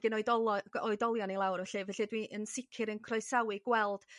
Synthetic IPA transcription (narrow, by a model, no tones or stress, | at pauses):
ɡ̥ɨnɔɨdɔlˠɔɔɨdɔlˠjɔnilˠawrvɛɬɨvɛɬidwiʔənsɪkʰɪɾənkʰrɔjsawɨɡ̥wɛlˠd̥